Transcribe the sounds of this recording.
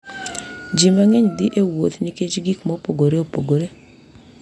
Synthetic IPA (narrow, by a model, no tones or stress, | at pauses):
d͡ʒimaŋɛɲdɪʔewot̪niket͡ʃɡikmɔpoɡoɾeopoɡoɾe